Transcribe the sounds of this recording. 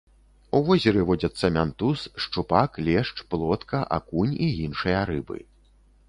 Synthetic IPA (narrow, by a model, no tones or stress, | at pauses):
uvɔzʲɛɾɨvɔd͡zʲɐt̪sːɐmʲant̪usʂt͡ʂupaklʲɛʂt͡ʂplˠɔt̪kɐʔa̰kunʲijinʂɨjɐɾɨbɨ̰